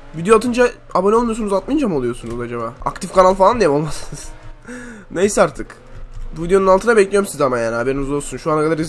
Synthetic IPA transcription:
vid̪ijoat̪ɯnd͡ʒa | abo̞nɛolˠmujo̞sunuzat̪̚mɯnd͡ʒamolˠujo̞sunuzad͡ʒabaa̰kt̪ʰifkanalˠfalˠand̪ijɛmo̞lˠmasɯnɯz̥ | nejsɛaɾt̪ʰɯk | vid̪ijo̞nunalt̪ʰɯnabɛclʲijomsiizamajaːnihɦabe̞ɾinizd̪osunʃuanakʰad̪aɾiz

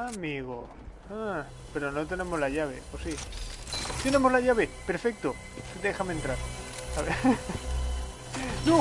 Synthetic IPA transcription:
amiɣo | a | pe̞ɾo̞not̪e̞nẽ̞mo̞zlaʝaβ̞e̞̰posi | t̪ene̞mozlaʝaβepe̞ɾfe̞k̚t̪o | sed̪examẽnt̪ɾaɾaβe | no

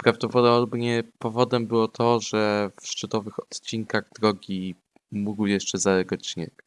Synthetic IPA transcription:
pɾavd̪ɔpɔd̪bɲɛpɔvɔd̪ɛmbɘwɔt̪ʰɔʐɛfʂt͡ʂɘt̪ɔvɘxɔt̪t͡ɕiŋkaɣd̪ɾɔɡʲi | muɡwjɛʂt͡ʂɛzaɾɛɡɔt̪̚t͡ɕːinɛ̰k

